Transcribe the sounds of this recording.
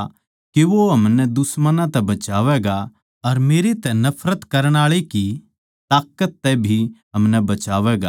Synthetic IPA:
kiʋoɦɐmnɛd̪ʊsmənãt̪ɛbɐt͡ʃaːʋɛːɡa | ɐɾmeːɾet̪ɛnɐpʰɾət̪kɐɾəɽ̃aːɭeki | t̪aːkːət̪ːɛbʱiɦɐmnɛbɐt͡ʃaːʋɛːɡa̰

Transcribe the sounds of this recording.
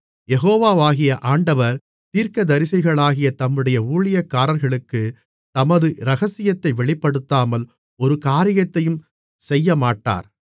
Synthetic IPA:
jɛɣoːʋaːʋaːɣɪjɐʔaːɳɖɐʋɐɾ | t̪iːɾkɐd̪ɐɾɪsɐɪɣɐɭaːɣɪjɐt̪ɐmːɯɽɐjɐuːɭɪjɐkːaːɾɐɾɣɐɭɯkːɯ | t̪ɐmɐðɯɾɐɣɐsɪjɐt̪ːɐɪʋɛɭɪpːɐɽɯt̪ːaːmɐl | ɔɾɯkaːɾɪjɐt̪ːɐjɯm | sɛjːɐmaːʈːa̰ːɾ

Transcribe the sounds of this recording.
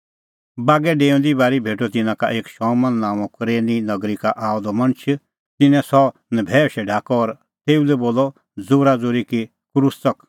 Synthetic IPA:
baːɡɛɖeːɔ̃nd̪ibaːɾibʱeːʈot̪ɪnãka̰ʔeːkʃɔ̃ːmɐnːãːʋɔ̃kɾeːninɐɡɾikaʔaːɔd̪ɔmɐnt͡ʃʰ | t̪ɪnɛ̃sɔnəbʱɛːʃɛɖʱaːkɔːɾ | t̪eːulɛboːlɔ | d͡zoːɾad͡zoːɾiki | kɾʊst͡sɐk

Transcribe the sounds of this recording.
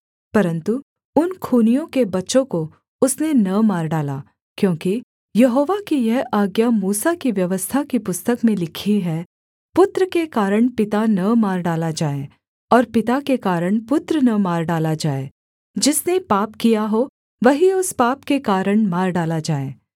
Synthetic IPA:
pɐɾə̃nt̪u | ʊnkʰuːnijõkebɐtːʃõko | ʊsnenɐmaːɾɖaːlaː | kjõːki | jɐɦoːʋakijɛɦaːɡjamuːsakiʋjɐʋəst̪ʰakipʊst̪əkmẽlɪkʰiɦɛ | pʊt̪ɾəkekaːɾəɳ̃pɪt̪anɐmaːɾɖaːlad͡ʒaːe | ɔːɾpɪt̪akekaːɾəɳ̃pʊt̪ɾənɐmaːɾɖaːlad͡ʒaːeː | d͡ʒɪsnepaːpkijaɦo | ʋɐɦiʊspaːpkekaːɾəɽ̃maːɾɖaːlad͡ʒaːḛː

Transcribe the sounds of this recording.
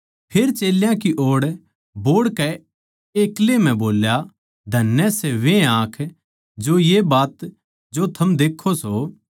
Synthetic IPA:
pʰeɾt͡ʃeːljãkiʔoːɽ | boːɽkɛ | eːklem̤ɛ̃boːlja | d̪ʱɐnːɛseʋẽãːkʰ | d͡ʒojebaːt̪ | d͡ʒot̪ʰɐmd̪eːkʰːoso

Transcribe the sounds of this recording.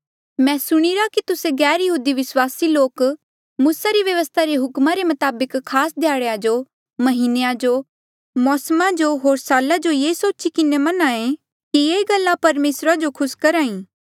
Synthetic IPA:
mɛ̃ːsʊɽ̃iɾakit̪ʊseɡɛːɾjɐɦuːd̪iʋɪswaːsiloːk | muːsaɾiʋjɐʋəst̪ʰaɾeɦʊkmaɾemɐt̪aːbəkʰːaːsd̪ʱjaːɽead͡ʒo | mɐɦinejãd͡ʒo | mɔːsmãd͡ʒoɦoːɾsaːlad͡ʒojeːsoːt͡ʃikɪnemɐnaẽ | kieːɡɐlːãpɐɾmeːsɾad͡ʒokʰʊskɐɾaːĩː

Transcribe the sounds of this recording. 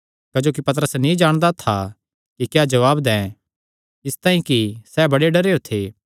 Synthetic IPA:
kɐd͡ʒoːkipɐt̪̬əɾəsnĩd͡ʒaːɽ̃d̪at̪ʰa | kikjaːd͡ʒɐʋaːbd̪ɛ̃ː | ɪst̪ãːĩkisɛːbɐɽeɖɐɾeːot̪ʰeː

